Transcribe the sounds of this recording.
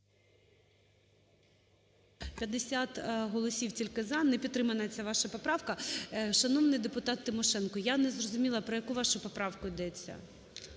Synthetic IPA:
pʲjɐd̪ːesʲat̪ɦɔlˠɔsʲiwtʲilʲkɪzɑnɛpʲid̪ːɾɪmɐnɐt͡sʲːaʋɑʃɐpɔpɾɑwkɐʃɐnɔʋnɪjd̪epʊt̪ɑt̪ːɪmɔʃɛnkɔjanɛzrɔzʊmʲilˠɐpɾɔjɐkuʋɑʃʊpɔpɾɑwkʊid̪ɛt͡sʲːɐ̰

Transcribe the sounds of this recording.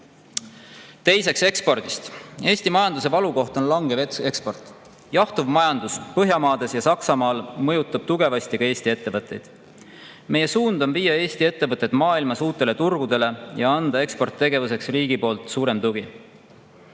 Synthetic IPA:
t̪e̞jse̞kse̞kspo̞rd̪̥ist̪e̞ːsʲt̪imɑjɑnd̪us̬e̞vɑluko̞ht̪o̞nlɑŋɡ̥evekspo̞rt̪ˑ | jɑht̪uvmɑjɑnd̪̥uspɤɦjɑmɑːd̪̥e̞sjɑsɑksɑmɑːlmɤjut̪ːˑɑb̥t̪uɡ̥e̞vɑsʲt̪ikɑe̞ːsʲt̪ie̞t̪ːe̞vɤt̪ːˑe̞jd̪̥ | me̞je̞suːnd̪̥omviːjɑe̞ːsʲt̪ie̞t̪ːe̞vɤt̪ːˑed̪̥mɑːilmɑsuːt̪ːˑe̞le̞t̪urɡ̥ud̪e̞le̞jɑɑnd̪̥ɑe̞kspo̞rt̪ːe̞ɡe̞vuse̞ksriːɡipo̞ːlt̪ˑsuːɾe̞mt̪uɡi

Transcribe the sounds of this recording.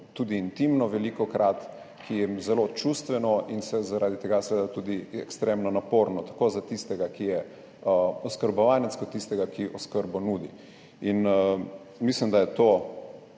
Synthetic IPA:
t̪ud̪iːnt̪imnɔʋɛlikɔkɾʔat̪ | kijɛzɛlot͡ʃust̪ʋɛnɔinsɛzaɾaːd̪it̪ɛɡasʋed̪at̪ud̪iɛ̰kst̪ɾemnɔnapoːɾnɔt̪ḁkozat̪ist̪ɛɡakijɛ | ɔskəɾbɔʋaːnɛtskɔt̪ːist̪ɛɡakiʔɔskəɾbɔnuːd̪ḭ | in | mislimd̪ajɛt̪oː

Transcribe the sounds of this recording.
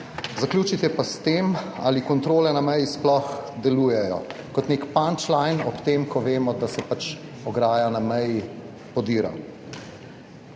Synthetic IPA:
zaklʲjuːt͡ʃit̪jɛpast̪eːma̰ːlikɔnt̪ɾoːlɛnamɛjisplɔxd̪ɛluːjɛjɔ̰ | kɔt̪nekpant͡ʃlajnɔpt̪eːmkɔʋeːmɔd̪asɛpat͡ʃ | ɔɡɾaːjanamɛji | pɔd̪iːɾa̰m

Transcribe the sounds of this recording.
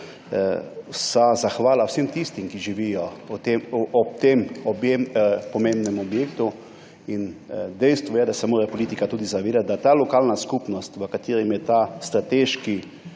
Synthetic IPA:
sazaxʋaːlawsemt̪ist̪imkiʒiʋijɔɔt̪emɔp̚t̪emɔbempɔmẽmbnɛmɔbjeːkt̪u | ind̪ɛjst̪ʋɔjɛd̪asɛmoːɾɛpɔliːt̪ikat̪uːd̪izaʋeːd̪at̪̚d̪at̪alɔkaːlnaskupnɔst̪ʋəkat̪eːɾimjɛt̪ast̪ɾat̪eːʃki

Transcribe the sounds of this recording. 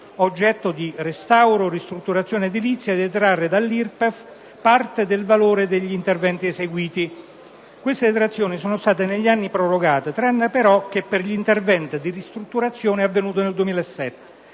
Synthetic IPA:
od͡ʒːɛt̪ːod̪irest̪awɾorist̪ɾut̪ːuɾat̪sjoːned̪ilit̪sːjad̪iet̪ɾarːed̪alːirpef | part̪ed̪elvaloːɾed̪eʎːiːnt̪ervɛnt̪ieseɡwiːt̪i | kwest̪et̪ɾat̪sːjoːnisoːnost̪aːt̪eneʎːianːipɾoroɡaːt̪et̪ɾanːapeɾɔk̟epːerʎint̪ervɛnt̪id̪irist̪ɾut̪ːuɾat̪sːjoːneavːenuːt̪̬oneld̪uwemiːlaesːɛt̪ːe̥

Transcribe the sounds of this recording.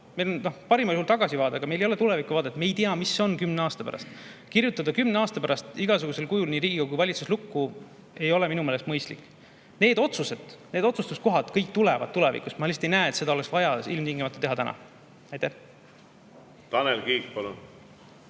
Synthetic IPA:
mejlonno̞hpɑɾimɑljuhult̪ɑɡ̥ɑsivɑːd̪ɑɡ̥ɑme̞jlejole̞t̪ulevikuvɑːd̪et̪ːmejt̪iɑmisːeo̞nkymne̞ɑːst̪ɑpæ̰ɾɑ̰st̪kirjut̪ːˑɑd̪ɑkymneɑːst̪ɑpæɾɑst̪iɡɑsuɡ̥use̞lkujulniːɾiːɡ̥iɡ̥ɑkujvɑlʲit̪suslukːu | e̞jo̞le̞minumeːlest̪mɤjst̪lḭkː | ne̞ːd̪o̞t̪suse̞d̪̥ned̪o̞t̪sust̪ust̪ko̞ɦɑd̪̥kɤjk̚t̪ulɛvɑ̰d̪̚t̪ːule̞vḭkust̪mɑlist̪e̞jnæːet̪se̞d̪ɑoeksvɑjɑilmt̪iŋɡimɑt̪u̥t̪eɦɑt̪ænʔɑ̰ | ɑjt̪æh | t̪ɑnelkiːkpɑlun

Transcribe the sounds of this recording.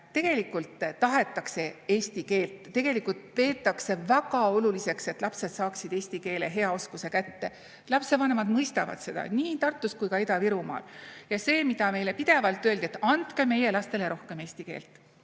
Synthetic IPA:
t̪e̞ɡ̥e̞likːˑult̪t̪ɑɦe̞t̪ːˑɑkse̞eːst̪ike̞ːlt̪ˑːe̞ɡ̥e̞likult̪̚pe̞ːt̪ːˑɑkse̞væɡ̥ɑo̞lulise̞kse̞t̪ˑlɑpse̞d̪̥sɑːksid̪e̞ːsʲt̪ike̞ːle̞ɦe̞ɑo̞skuse̞kæt̪ːe̞ | lɑpse̞vɑne̞mɑd̪mɤjst̪ɑvɑ̰d̪se̞d̪ɑ̰niːt̪ɑrt̪ːˑuskujkɑid̪ɑviɾumɑ̰ːljɑse̞ːmid̪̥ɑme̞jle̞pid̪̥e̞vɑlt̪ːˑøld̪iet̪ːɑnt̪ke̞me̞je̞lɑst̪e̞le̞ɾo̞hke̞me̞ːsʲt̪ike̞̰ːlt̪ˑ

